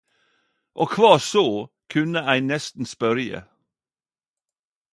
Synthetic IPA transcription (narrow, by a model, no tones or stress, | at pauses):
ʔoːkʰʋɑːsoː | kʰʉnəæɪnɛst̪n̩spœɾjə̰